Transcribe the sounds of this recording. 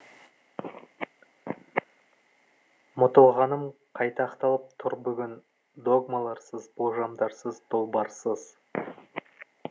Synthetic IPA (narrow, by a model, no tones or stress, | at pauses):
mʊt̪əlˠʁɑnəmqʰɑjt̪ɑːqt̪ɑlˠəp̚t̪ʰʊɾbʏɡʲɪn | d̪o̞ɡmalˠɑɾsəzboʒɑmd̪ɑɾsəzd̪ʰolˠbɑɾsəz